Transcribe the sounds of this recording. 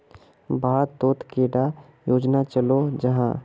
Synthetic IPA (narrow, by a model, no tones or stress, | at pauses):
bʱaːt̪oːt̪keːɽa | joːd͡ʒnat͡ʃəlod͡ʒɐɦãː